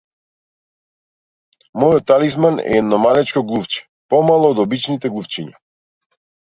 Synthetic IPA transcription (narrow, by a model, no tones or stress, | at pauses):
mɔjɔt̪ːalismanɛ̰ɛd̪nɔmalɛt͡ʃkɔɡlˠuft͡ʃɛ̥ | pɔmalˠɔːd̪ɔbit͡ʃnit̪ɛɡlˠuft͡ʃiɲa